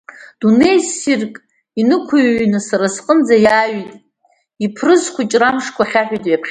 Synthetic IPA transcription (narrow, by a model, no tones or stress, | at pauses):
d̥unejsirkʼ | inɨkʷʰaɥnɨsaɾasqʼənd͡zajaːɥitʼ | ipʰrɨzχʷʰat͡ʃʼramʂkʷʰaχʲaħʷᶣijtʼjapʰχʲ